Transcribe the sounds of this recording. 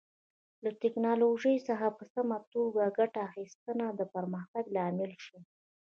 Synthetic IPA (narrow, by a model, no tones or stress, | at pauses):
lat̪ɪknɑloʒəjsəxapəsamat̪oɡaɡaʈaːxist̪ənad̪əpəɾməxt̪aɡlɑmɪlʃi